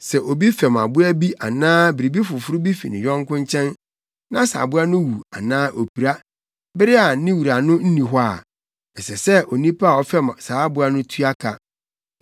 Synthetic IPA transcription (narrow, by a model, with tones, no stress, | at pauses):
sɛ˨ʔo˨bi˦fɛ˨ma̰˨bʊ˦æ˦bi˦ʔa˨nãː˦bɪ˨ɾi˨bi˦fʊ˨fʊ˦ɾʊ˦bi˦fḭ˨nɪ̰̃˨jᶣɔ̃˦ŋ˦kʊ̃˦ɲ˦t͡ɕʰɛ̃˦n | nã˦sa̰ː˨bʊ˦a˦nʊ̃˦wu˨a̰˨nãː˦ʔo˨pʰi˨ɾa˦ | bɪ˦ɾɪ˦a˨˦nɪ̃˦wu˨ɾa˨nʊ̃˦n̩˦nĩ˨ɦʊ˦a˦˨ | ɛ˨sɛ˨sɛ˦ʔɔ˨nĩ˦pʰa˦˨ɔ˦fɛ˦m˨saː˨˦a˦bʊ˦a˦nʊ̃˦tʰu˦a˦kʰa˨